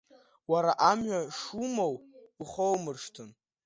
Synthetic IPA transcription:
waɾaʔamɥaʂumowiχowmɨrʂtʰɨn

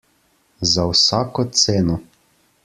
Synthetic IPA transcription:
zawsaːkɔt̪seːnɔ

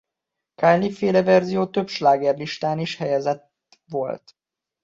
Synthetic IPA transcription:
kaːlnifeːlɛvɛrzijoːt̪ø̞bʃlaːɡɛrliʃt̪aːniʃhɛjɛzɛt̪ | ʋo̞lt̪

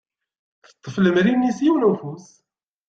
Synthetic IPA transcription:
θə̥t̪ˤːəfləmɾinːisjiwnufus

